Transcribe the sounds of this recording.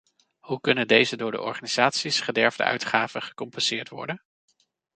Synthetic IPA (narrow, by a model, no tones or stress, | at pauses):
hukɵnəndejzədʊːɹdə̰ʔɔ̰ɹχaːniz̥aːtsisχədɛɹvdə̰œ̰ɥtχaːvəχə̥kɔmpɛnz̥ɪːɹtʋɔ̰ɹdən